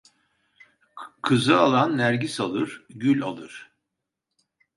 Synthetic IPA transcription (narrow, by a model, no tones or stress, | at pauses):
kʰɯzɯalˠanːæɾɟisalˠɯɾ̥ɟylʲa̰lˠɯɾ̥